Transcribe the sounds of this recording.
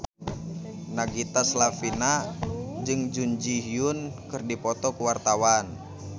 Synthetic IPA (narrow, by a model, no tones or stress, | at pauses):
naɡit̪aslafinad͡ʒɨŋd͡ʒuɲd͡ʒiɦiunkɨrdipɔt̪ɔkuwart̪awan